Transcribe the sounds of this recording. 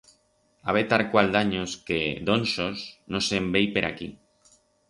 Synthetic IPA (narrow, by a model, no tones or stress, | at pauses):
aβ̞et̪aɾkwald̪aɲosked̪onsosnosembejpeɾa̰ki